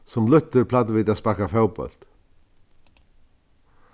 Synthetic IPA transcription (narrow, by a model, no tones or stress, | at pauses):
sɔmlʏht̪ːʏɾpʰlat̪̬viːt̪aðspakafawpœ̰l̥t̪